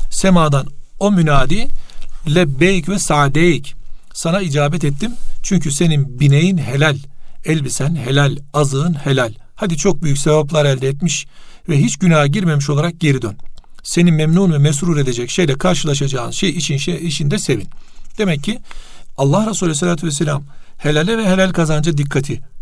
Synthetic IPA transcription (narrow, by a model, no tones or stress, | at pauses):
semaːd̪ano̞mynaːd̪iːlʲɛbejcvɛsaːd̪ejic | sanaid͡ʒaːbɛt̪ɛt̪ʰːimt͡ʃʰyɲcʰyse̞ninbinejinɦe̞lʲælʲɛlʲbisænɦe̞lʲælʲazɯːɯnhe̞lʲælʲ | had̪it͡ʃʰo̞k̚byjycʲsebaplˠaɾæld̪ɛːt̪miʃvɛɦit͡ʃɟynaːɟiɾme̞miʃo̞lˠaɾak̚ɟe̞ɾid̪ønse̞nimɛmnuːnvɛmɛs̬ɾuɾe̞d̪e̞d͡ʒɛcʃe̞jlʲɛkʰaɾʃɯlˠaʃad͡ʒaːnʃejiʃiniʃind̪ɛse̞vind̪̥e̞mɛcːialˠːahɾasuːlʲɛs̬elʲaːt̪ʰyvɛselʲam | he̞lʲalʲɛvɛhe̞lʲælʲkʰazand͡ʒad̪ikʰːat̪ʰi